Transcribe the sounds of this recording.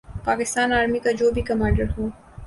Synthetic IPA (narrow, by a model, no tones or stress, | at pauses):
paːkɪst̪aːnaːɾmikad͡ʒoːbʱikɐmãːɳɖəɾɦoː